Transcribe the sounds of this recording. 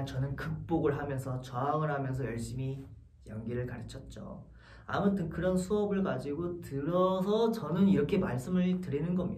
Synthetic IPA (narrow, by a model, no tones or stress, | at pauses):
nt͡ɕʌnɯnkɯk̚p͈oɡɯɭɦamjʌnsʰʌt͡ɕʌaŋɯɭɦamjʌns̬ʰʌjʌɭɕ͈imi | jʌŋɡiɾɯɭkaɾit͡ɕʰʌt̚t͡ɕ͈o̰ | a̰mʌtʰɯnkɯɾʌnsʰuʌbɯɭkad͡ʑiɡotɯɾʌs̬ʰʌt͡ɕʌnɯniɾʌkʰe̞maɭs͈ɯmɯɭtɯɾinɯnɡʌmɲi